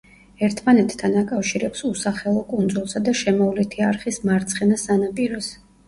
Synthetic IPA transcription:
ɛɾt̪ʰmanɛt̪ʰt̪ʰːanakʼafʃiɾɛpsusaχɛlˠɔkʼund̪zulˠsad̪aʃɛmɔvlɛt̪ʰiaɾχismaɾt̪sʰχɛnasanapʼiɾɔs

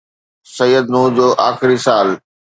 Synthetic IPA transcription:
sɐjːəd̪nuːd͡ʑoːʔaːxɪɾisaːl

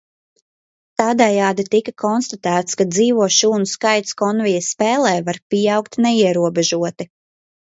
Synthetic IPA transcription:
t̪aːd̪ɛjaːd̪it̪ikakʰɔnst̪at̪æːt̪skad̪ziːvuɔʃuːnuskajt̪skɔnvijəsːpɛːlˠɛːvaɾpʲijawkt̪nɛiɛɾuɔbɛʒuɔt̪i

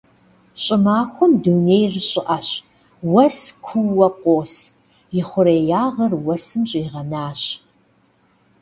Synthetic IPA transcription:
ɕʼɪmaːxʷɔmduneːjrɨɕʼɪʔɐɕ | wɐskʷʰuːɐqʷoːs | jɪχʷʊɾeːjaːʁɐrwɐsɨmɕʼiːʁɐnaːɕ

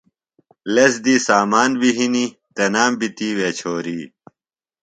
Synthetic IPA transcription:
lɐsd̪isaːmaːnbiɦini | t̪ɐnaːmbit̪iːwet͡ɕʰoːɾiː

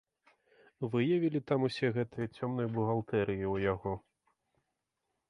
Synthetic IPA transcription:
vɨjavʲilʲit̪amusʲɛɣɛt̪ɨjɐt͡sʲɔmnɨjbuɣalˠt̪ɛɾɨjiwjaɣɔ

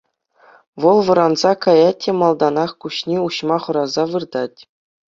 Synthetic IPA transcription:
ʋɤ̆lˠʋɤ̆ɾɑnzɑkɑjɑt̚ʲːemɑlˠd̪ɑnɑχkuɕnʲeuɕmɑχɤ̆ɾɑzɑʋɯrd̪ɑtʲ

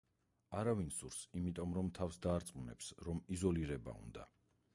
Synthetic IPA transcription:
aɾavinsuɾsimit̪ʼɔmɾɔmt̪ʰafsd̪aːɾt̪sʼmunɛ̰psɾɔmizɔliɾɛba̰ṵnd̪a̰

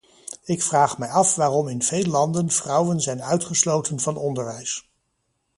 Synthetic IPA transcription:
ɪkfraːχmɛjɑfʋaːrɔmɪnv̥ejləlɑndənv̥rʌwənzɛjnœɥtχəslowtənvɑnɔndəɹʋɛjs

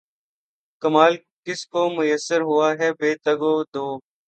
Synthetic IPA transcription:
kəmaːl | kɪskoːmʊjəsːəɾɦʊaːɦɛːbeːt̪əɡoːd̪oː

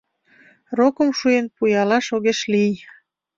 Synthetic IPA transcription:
rokə̆mʃujenpujɑlɑʃoɣeʃlij

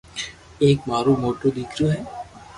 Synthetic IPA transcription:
eːkmaːɾumoːʈod̪ikɾjoɦɛː

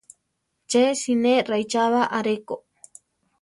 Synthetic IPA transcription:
t͡ʃesinerajt͡ʃaβaʔaɾeko

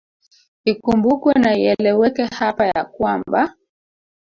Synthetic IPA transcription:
ikumbukwɛnaiɛlɛwɛkɛhapajakwamba

